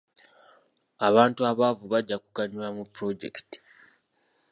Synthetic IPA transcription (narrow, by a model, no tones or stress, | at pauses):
aβaːntuaβavuβaɟːakuɡaɲwamupɾo̞ɟḛkti̥